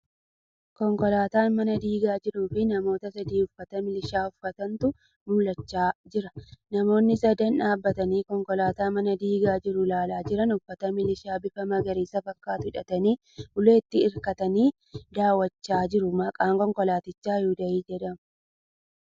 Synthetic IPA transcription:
kɔŋkɔlaːt̪aːnmɐnɐd̪iːɡaːd͡ʒɪɾuːfɪnɐmo̞ːt̪ɐsɐd̪iːʊfːɐt̪ɐmɪlɪʃaːʊfɐt̪ɐnt̪ʊ | mʊlɐt͡ʃːaːd͡ʒɪɾɐnɐmo̞ːnːɪsɐd̪ɐnᶑaːbːɐt̪ɐniːkɔŋkɔlaːt̪aːmɐnɐd̪iːɡaːd͡ʒɪɾʊlaːlaːd͡ʒɪɾɐnʊfːɐt̪ɐmɪlɪʃaːbɪfɐmɐɡɐɾiːsɐfɐkːaːt̪ʊhɪᶑɐt̪ɐniː | ʔʊleːt̪ːɪɪɾkɐt̪ɐniː | d̪aːwɐt͡ʃːaːd͡ʒɪɾʊmɐkʼaːŋkɔŋkɔlaːt̪ɪt͡ʃːaːjuːd̪ɐiːd͡ʒɛᶑɐmʊ

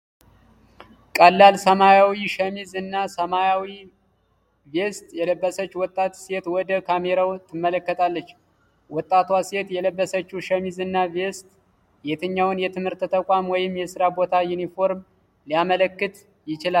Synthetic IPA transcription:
kʼəlːalsəmajawiʃəmizɨnːasəmajawi | vest̪ʼjɛləbːəsət͡ʃːuwɔt̪ʼːat̪set̪wɔd̪əkʰame̞ɾawt̪ʰɨmːələkːət̪ʰʼalːət͡ʃː | wɔt̪ʼːat̪wase̞t̪jɛləbːəsət͡ʃːuʃəmizɨnːavest̪ʼ | jet̪ʰɨɲːawnjɛt̪ʰɨmhɨɾt̪t̪ʰəkʷʼamwɔjɪmjɛsɨɾabo̞t̪ʰajunifo̞ɾm | lijamələkːɨt̪ | jɪt͡ʃɪla

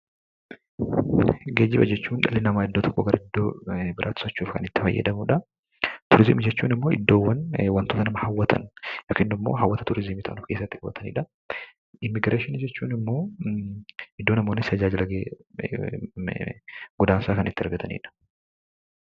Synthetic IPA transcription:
ɡeːd͡ʒːɪbɐ̰d͡ʒɛt͡ʃːuːnᶑɐlɪnɐmaːɪd̪ːoːt̪ɔ̥kːɔɡɐɾʔɐɪd̪ːoːbɪɾʔa̰ːt̪ːɪ̥sɔt͡ʃːuːfkɐ̰nɪt̪ːɪ̥fɐ̰jːɐ̰d̪ɐmuːᶑɐ | t̪ʊɾɪzɪmɪd͡ʒɛt͡ʃːṵːnɪmːo̞ːʔɪd̪ːo̞ːwːɐnwɐnt̪oːt̪ɐnɐmɐhɐwːɐt̪ʰɐ̰njoːkiːnːɪmːo̰ːɦɐwːɐt̪ɐt̪ʊɾɪzɪmiːt̪ɐʔɐnʊfke̞ːsːɐt̪ːɪkɐbɐ̰t̪ʰɐnḭːᶑɐ | ʔɪmːɪɡɾeːʃɪnɪd͡ʒɛt͡ʃːuːnɪmːo̞ː | ɪd̪ːoːnɐmo̞ːnːɪsɐd͡ʒaːd͡ʒɪlɐɡeː | ɡʊd̪aːnsaːkɐnʔɪt̪ːɪɐ̰ɾɡɐt̪ʰɐnḭːᶑɐ̥

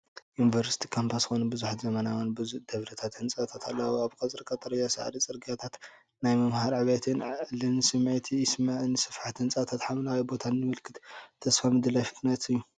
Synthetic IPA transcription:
junivɐɾsi̥t̪ʰi̥kʰompʰasxonɐbɨzuħt̪zɐmɐnawanbɨud̪̥ɐβɾɐt̪ʰat̪hɨnt͡sʼat̪ʰat̪ʰalːɐwoaβkʰat͡sʼɨɾkʼat̪ʼɐɾɐjasa̰ʕ̰ɾit͡sʼɨɾɡʼjat̪ʰat̪ | najmɐmhaɾʕaβajt̪ʰɨnʕlɨnsɨmʕet̪ʰismaʕɨnsɨfħat̪hɨnt͡sʼat̪ʰat̪ħamlawibo̞t̪ʰanjɨmɨlkʰɨt̪t̪ʰːɐsfamɨd̪ɨlajfɨt̪nɐt̪ɨjːu

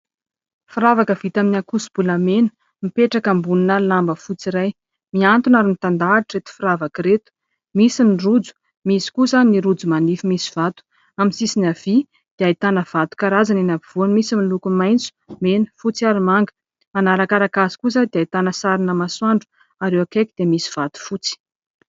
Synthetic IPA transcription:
fiɾavakəvit̪aminakusu̥b̥uləmenə̥ | mipeʈ͡ʂakambuninəlambəfut͡siɾaj | miant̪unaɾinit̪and̪aiʈ͡ʂet̪i̥fiɾavakɾet̪u̥ | misinirud͡zu̥ | misi̥kusaniɾud͡zumanifimisi̥v̥at̪u̥ | aminsisinav̥i | d̪̥eait̪anəv̥at̪u̥kaɾazaninabiv̥uanmisimilukumajnt͡su̥menə̥fut͡siaɾimaŋɡə̥ | manaɾakaɾakazi̥kuzad̪eajt̪anəsaɾinəmaswaɳɖ͡ʐu̥ | aɾewakekid̪̥emisi̥v̥at̪u̥fut͡si̥

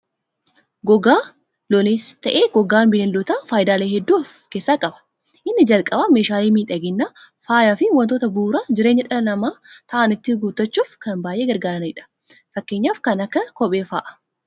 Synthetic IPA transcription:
ɡɔɡaː | lɔneːst̪ɐʔeːɡ̥ɔɡaːnbɪleːnlɔt̪aːfaːjɪd̪aːleːhɛd̪ːuːf | ke̞ːsːaːkʼɐbɐ̥ | ʔɪnːɪd͡ʒɐlkʼɐbameːʃaːliːmiːᶑɐɡɪnːaː | faːjaːfɪwɐnt̪oːt̪ɐbuːɾaːd͡ʒɪɾe̞ːɲːɐᶑɐlɐlɐmaːt̪ɐʔanɪt̪ːɪɡuːt̪ːɐt͡ʃːuːfkɐnbaːjʔeːɡɐɾɡaːɾɐnɪᶑɐ̥ | fɐkːe̞ːɲːaːfkɐnɐkːɐkɔɓeːfa̰ːʔɐ̥

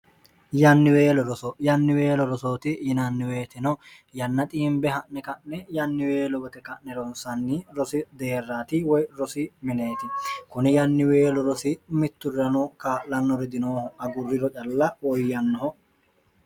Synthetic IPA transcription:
jɐnːɪwe̞ːlɔɾɔsɔjɐnːɪwe̞ːlɔɾɔsoːt̪ɪjɪnɐnːɪweːt̪ɪnɔ | jɐnːɐt̪ʼiːmbɛɦɐʔnɛkɐʔnɛjɐnːɪweːlɔbɔt̪ɛkɐʔnɛɾɔnsɐnːɪɾɔsɪd̪e̞ːrːaːt̪ɪwɔjɾɔsɪmɪne̞ːt̪ɪkʊnɪjɐnːɪwe̞ːlɔɾɔsɪmɪt̪ːʊrɐnɔkaːʔlɐnːɔɾɛd̪ɪnoːhɔɐɡʊrːɪɾɔt͡ʃʼɐlːɐwɔjjɐnːɔɦɔ

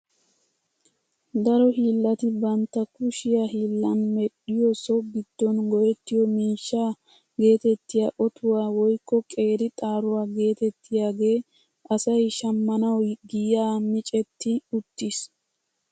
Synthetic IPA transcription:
d̪ɐɾɔhiːlːɐt̪ɪbɐnt̪ːɐkʊʃɪjɐɦiːlːɐnmɛɗɪjɔsɔɡɪd̪̥ːɔnɡɔjɛt̪ːɪjɔmiːʃːaː | ɡe̞ːt̪ɛt̪ːɪjaʔɔt̪ʰʊwaːwɔjkːɔkʼe̞ːɾɪt̪ʼaːɾʊwaːɡe̞ːt̪ɛt̪ːɪjaːɡe̞ː | ʔɐsɐjʃɐmːɐnɐwɡɪjaːmɪt͡ʃʼɛt̪ːɪʊt̪ːis

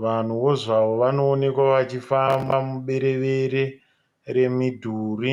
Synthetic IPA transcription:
ʋan̤uwo̞ʐaʋo̞ʋano̞ːne̞kwaʋat͡ʃifambamuɓe̞ɾe̞ʋeɾe | ɾe̞midʱuːri

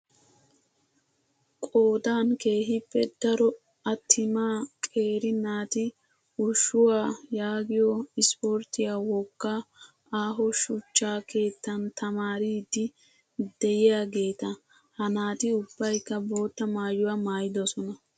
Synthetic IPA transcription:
kʼoːd̪aːnke̞ːɦɪpːɛd̪̥ɐɾɔ | ɐt̪ʰːɪmaːkʼe̞ːɾɪnaːt̪ɪ | ʊʃːʊwaːjaːɡɪjɔɪspoːɾt̪ɪjaːwɔkːaː | aːɦɔʃʊt͡ʃːaːkʰe̞ːt̪ːɐnt̪ɐmaːɾiːd̪ɪ | d̪̥ɛjɪjaːɡe̞ːt̪ɐ | hɐnaːt̪ɪʊb̥ːɐjkːɐbo̞ːt̪ːɐmaːjːʊwamaːjɪd̪ɔsɔnɐ

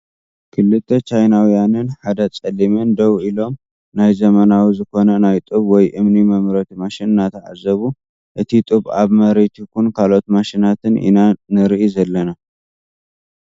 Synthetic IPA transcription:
kʰɨlːɨt̪ʰːɐt͡ʃajnawjanɨnħad̪ɐt͡sʼɐlimɨnd̪ɐwilo̞m | najzɐmɐnawizɨko̞nɐnajt̪ʼɨβwɔjʔɨmnimɐmɾɐt̪imaʃɪnnat̪ʰɐʕa̰zɐβu | ʔɨt̪ʰit̪ʼɨβaβmɐɾet̪ʰukunkʰalo̞t̪maʃinat̪ʰɨnḭnanɨɾʔizɐlːɐna

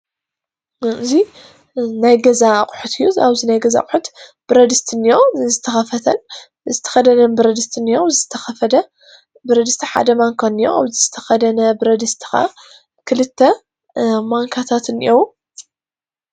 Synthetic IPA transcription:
ɨzi | najɡɐzaqʼʊħut̪ʰɨjːua̰βzinajɡɐza̰kʼħut̪b̥ɨɾɐd̪ɨst̪ʰɨnijo̞zɨt̪ʰɐxɐfɐt̪ʰɐn | zɨt̪ʰɐ̥xɐd̪ɐnɐnbɨɾɐd̪ɨst̪ʰɨnijowzɨt̪ʰɐxɐfɐd̪ɐ | bɨɾɐd̪ɨst̪ʰɐħa̰d̪ɐmaŋkʰanijoa̰βzɨzɨt̪ʰɐ̥xɐd̪ɐnɐbɨɾɐd̪ɨst̪ʰɨ̥xa̰ | kʰɨlɨt̪ʰːɐ | maŋkʰat̪ʰat̪ɨnḭjʔow

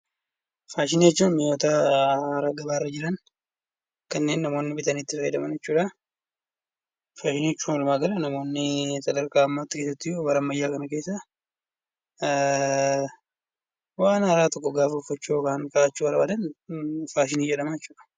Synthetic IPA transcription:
faːʃ̬ɪniːjɛt͡ʃːuːnmɪjoːt̪aɾaːɡɐbaːrːɐd͡ʒɪɾɐn | kɐnːe̞ːnːɐmo̞ːnːɪbɪt̪ɐniːt̪ːɪfɐjɐd̪ɐmɐnjɛt͡ʃːuːᶑa | faːʃɪniːɛt͡ʃːuːnɔlmaːɡɐlɐnɐmo̞ːnːɪsɐd̪ɐɾkaːɐmːaːt̪ːɪ̥keːs̬ɐt̪ːɪjobɐɾɐmːɐjːaːkɐnɐke̞ːsːa | waːnɐɾaːt̪ɔkːɔɡaːfɐʊfːɐt͡ʃːukaːnkaʔat͡ʃːuːɐɾbad̪ɐnfaːʃ̬ɪniːd͡ʒɛᶑɐmɐjɛt͡ʃːuːᶑɐ̥

